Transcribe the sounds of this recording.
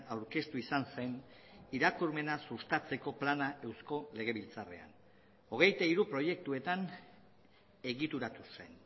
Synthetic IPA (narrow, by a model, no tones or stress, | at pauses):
awɾke̞st̪uisanse̞niɾakuɾme̞nasust̪at͡se̞ko̞planaʔe̞wsko̞le̞ɣ̞e̞β̞ilt͡sare̞̰a̰n | o̞ɣ̞e̞jt̪aiɾupɾo̞je̞k̚t̪ue̞t̪an | e̞ɣit̪uɾat̪use̞n